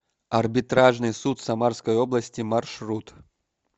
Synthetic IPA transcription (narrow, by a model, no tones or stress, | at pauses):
ɐrbʲɪt̪ɾaʐnɨjsut̪sɐmarskəjoblˠɐsʲtʲɪmɐrʂrut̪